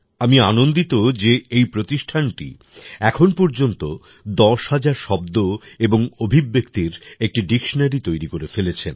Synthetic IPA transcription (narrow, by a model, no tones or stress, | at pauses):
amianond̪it̪od͡ʑeejpɾot̪iʃʈʰanʈḭ | ɛkʰonpɔɾd͡ʑont̪o | d̪ɔʃhad͡ʑaɾʃɔb̚d̪oeboŋobʱibːek̚t̪iɾek̚ʈiɖikʃonaɾit̪ojɾikoɾefelet͡ɕʰḛn